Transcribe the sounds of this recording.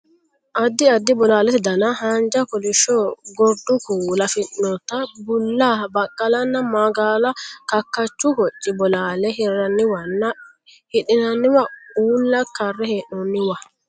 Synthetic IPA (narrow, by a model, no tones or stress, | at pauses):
ʔɐd̪ːɪɐd̪ːɪbɔlaːlɛt̪ɪd̪ɐnɐɦand͡ʒɐkɔlɪʃoːɡɔɾd̪ʊkuːlɐfɪnːɔt̪ɐbʊlːaːbɐkʼːɐlɐnːɐmɐɡaːlɐkɐkːɐt͡ʃːʊkɔt͡ʃʼːɪbɔlaːlɛɦɪrːɐnːɪwɐnːɐ | hɪᶑɪnɐnːɪwɐuːlːɐkɐrːɛheːʔnɔnːɪwɐ